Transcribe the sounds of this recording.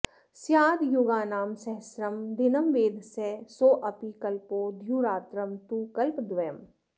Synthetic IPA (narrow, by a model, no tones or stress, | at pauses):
sjaːd̪juɡaːnaːmsɐɦsɾɐmd̪ɪnɐmʋeːd̪ʱsɛsoːʔɐpikɐlpoːd̪ʱjuːɾaːt̪ɾɐmt̪uːkɐlpd̪ʋɐjəm